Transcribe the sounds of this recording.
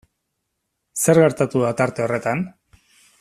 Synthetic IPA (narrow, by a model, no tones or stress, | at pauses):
se̞ɾɣe̞ɾt̪at̪uðat̪aɾt̪e̞o̞re̞t̪an